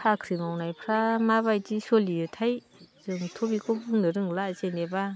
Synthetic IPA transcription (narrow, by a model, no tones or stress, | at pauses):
pʰakʰɾimawnajpʰɾamabajtisɔlijɔtʰaj | zɯŋtʰobikʰɔbɯŋnɯɾɯŋlazeneba